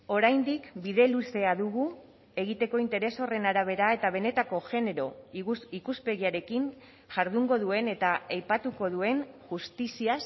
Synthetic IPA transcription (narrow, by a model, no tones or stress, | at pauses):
o̞ɾajnd̪ikbiðe̞luse̞aðuɣ̞u | e̞ɣit̪e̞ko̞int̪e̞ɾe̞so̞re̞naɾaβ̞e̞ɾae̞t̪aβ̞e̞ne̞t̪ako̞ʝe̞ne̞ɾo̞ikuspe̞ɣiaɾe̞kin | ʝaɾðuŋɡo̞ðue̞ne̞t̪aajpat̪uko̞ðue̞nʝust̪isias